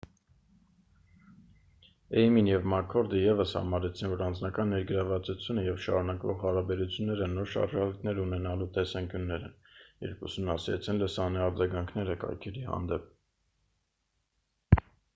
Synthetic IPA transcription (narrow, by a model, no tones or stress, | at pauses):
ɛjminjɛvmɑkʰɔɾd̪əjɛvəshɑ̰mɑɾɛt͡sʰinvɔɾɑnd͡znɑkɑnːɛɾɡəɾɑvɑt͡sut͡sʰjunəjɛvʃɑ̰ɾunɑkvɔʁhɑɾɑbɛɾut͡sʰjunːɛɾənɔɾʃɑ̰ɾʒɑlit̪nɛɾunɛnɑlut̪ɛsɑŋkjunːɛɾɛ̰njɛ̰ɾpʰṵsumnɑsiɾɛ̰t͡sʰinləsɑniɑɾd͡zɑɡɑŋkʰnɛɾəkɑ̰jkʰɛɾihɑ̰nd̪ɛp̚